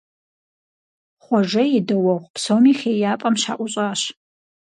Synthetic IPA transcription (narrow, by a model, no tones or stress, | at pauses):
χʷɔʒɐjɪdɐwɐʁʷpʰsomiːχʲeːjaːpʼɐmʃa̰ːʔʷʊɕʼaːɕ